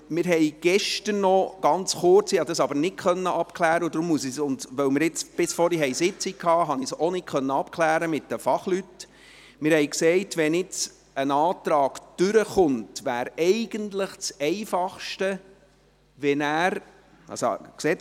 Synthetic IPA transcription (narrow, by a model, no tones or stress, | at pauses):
mɪɾɦɛɪɡ̥ɛʃtərnɔɡ̥ɑnt͡sχʊrt͡siɑd̪əsɑbəɾnɪt̚kʰχœnːəʔɑpkʰlæːɾəud̪ɾʊmːusisʊndʋœwmɪɾɪt͡sb̥ɪsfɔɾiɦɛjsɪt͡sikʰɑːɦɑnisonɪtkʰχœnːəɑpkʰlæːɾəmɪt̚d̥əfɑχlyt | mɪːɾhɛɪjksɛɪtʋɛnɪt͡s | ənɑːt̪ɾɑːɡ̥d̥ʉɾəχʊntʋæːɾɛɪɡ̥əntləχt͡sɛɪfɑχʃtə | ʋɛnæːɾ | ɑ̰so̰kseː